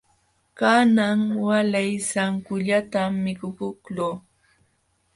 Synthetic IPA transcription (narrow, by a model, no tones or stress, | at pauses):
kanaŋwalajsaŋkʊʎat̪amːɪkʊpʊkloː